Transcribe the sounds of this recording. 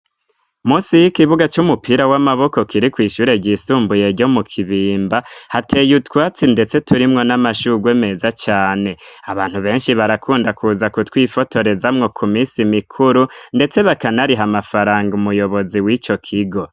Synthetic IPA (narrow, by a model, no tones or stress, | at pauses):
muːsijikiβuɡat͡ʃumupʰiɾawamaβo̞ko̞kiɾikwiːʃuːɾe̞ɟiːsuːmbuje̞ɾɟo̞mukʰiβiːmbahatʰe̞ːjutkwaːt͡sinde̞t͡se̞tuɾimŋo̞namaʃuːɡweːme̞zat͡ʃaːne̞aβaːn̥huβe̞ːnʃiβaɾakʰuːndakʰuzakutwiːfo̞tʰo̞ɾe̞zamŋo̞kʰumiːsimikʰuɾunde̞t͡se̞βakanaɾiɦamafaɾaːŋɡumujo̞βo̞ziwit͡ʃo̞kʰiɡo̞